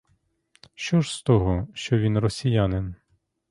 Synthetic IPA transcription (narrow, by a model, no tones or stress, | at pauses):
ʃt͡ʃɔʒst̪ɔɦɔʃt͡ʃɔʋʲinrɔsʲijanɪn